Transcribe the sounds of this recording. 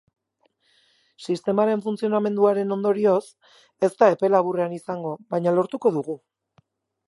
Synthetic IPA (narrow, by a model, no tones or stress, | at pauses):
sist̪e̞maɾe̞ɱfunt͡sio̞name̞nd̪uaɾe̞no̞nd̪o̞ɾio̞s | e̞st̪ae̞pe̞laβureanisaŋɡo̞βajɲalo̞ɾt̪uko̞ðuɣ̞u